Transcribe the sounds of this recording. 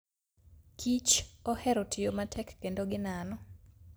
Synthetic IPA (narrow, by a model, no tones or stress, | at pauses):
kʰit͡ʃɔhɛɾotʰɪjomatʰɛkːendoɡɪnanɔ